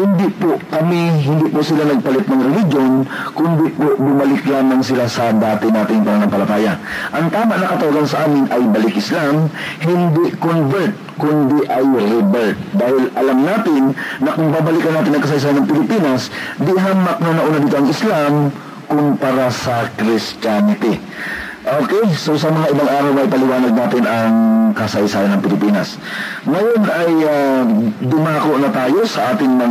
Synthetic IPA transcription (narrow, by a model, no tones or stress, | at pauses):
hɪnd̪ɪpoʔkɐmiɦɪnd̪ɪʔpoʔsɪlanɐɡ̚pɐlɪt̪̚nɐŋɾɛlɪd͡ʒjonkʊnd̪ɪpoʔbʊmɐlɪklaːmaŋsɪlasɐd̪aːt̪ɪnaːt̪ɪŋpɐnanampɐlɐt̪aːjaʔɐŋt̪aːmaʔnɐkɐt̪ɐwaɡansɐʔaːmɪnʔɐjbɐlɪkʔɪslamhɪnd̪ɪʔkonvɛɹt̪̚kʊnd̪ɪʔajɾɛbɛɹt̪̚d̪aːhɪlʔɐlamnaːt̪ɪnːɐkʊŋbaːbɐlɪkɐnːaːt̪ɪnɐŋkɐs̬ɐjs̬aːjanːɐŋpɪlɪpiːnɐsd̪ɪɦanmɐk̚nɐnɐʔuːnad̪iːt̪oʔɐŋʔɪslam | kʊmpɐɾasɐkɾɪst͡ʃanɪt̪ɪ | ʔoːkɛjsosɐmɐŋaʔɪbaŋʔaːɾɐwʔɐjpɐlɪwaːnɐɡ̚naːt̪ɪnɐŋkɐsɐjsaːjɐnɐŋpɪlɪpiːnɐs | ŋɐjo̞nʔɐjad̪ʊmaːkoʔnɐt̪aːjo̞sɐʔaːt̪ɪŋmɐŋ